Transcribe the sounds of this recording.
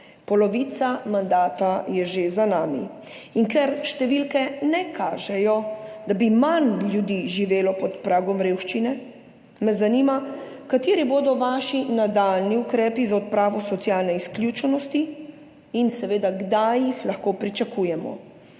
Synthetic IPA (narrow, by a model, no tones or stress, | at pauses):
pɔlɔʋiːt̪samand̪aːt̪ajɛʒezanaːmḭ | iŋkɛɾʃt̪ɛʋilkɛnɛkʰaːʒɛjɔd̪abimanlʲjud̪iːʒiʋeːlɔpɔt̪pɾaːɡɔmɾeːwʃt͡ʃinɛ | mɛzaniːma | kat̪eːɾiboːd̪ɔʋaːʃinad̪alniukɾɛːpizaɔt̪̚pɾaːʋɔsɔt̪sjaːlnɛisklʲjut͡ʃɛnɔst̪i | insɛʋeːd̪aɡd̪ajixlaxkoːpɾit͡ʃakuːjɛmɔ̰